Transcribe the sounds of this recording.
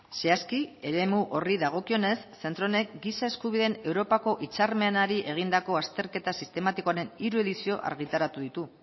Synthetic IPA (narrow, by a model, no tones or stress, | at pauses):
seaskie̞ɾe̞muʔo̞riðaɣ̞o̞kio̞ne̞sːe̞nt̪ɾo̞ne̞kɡisaeskuβ̞iðe̞ne̞wɾo̞pako̞ʔit͡saɾme̞naɾiʔe̞ɣ̞ind̪ako̞ast̪e̞ɾke̞t̪asist̪e̞mat̪ikoaɾe̞niɾue̞ðisio̞ʔa̰ɾɣ̞it̪aɾat̪uðit̪u